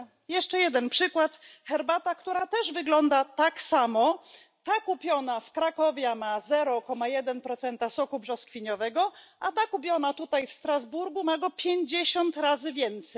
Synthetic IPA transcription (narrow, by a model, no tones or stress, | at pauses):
jɛʂt͡ʂɛjɛd̪ɛnpʂɘkwat̪xɛɾbat̪akt̪uɾat̪ɛʐvɘɡlɔnd̪at̪aksamɔ | t̪akupʲjɔnafkɾakɔvʲjɛmazɛɾɔkɔmajɛd̪ɛnpɾɔt̪sɛnt̪asɔkubʐɔskfʲiɲɔvɛɡɔʔat̪akupʲjɔnat̪ut̪ajfst̪ɾazbuɾɡumaɡɔpʲjeɲd͡ʑeɕɔnt̪ɾazɘvʲjɛnt̪sɛj